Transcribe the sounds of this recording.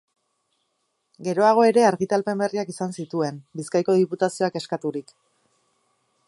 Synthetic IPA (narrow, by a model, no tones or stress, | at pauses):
ɡe̞ɾo̞aɣ̞o̞e̞ɾe̞aɾɣit̪alpe̞mbe̞riakisansit̪ue̞nbiskajko̞ðiput̪asio̞ake̞skat̪uɾik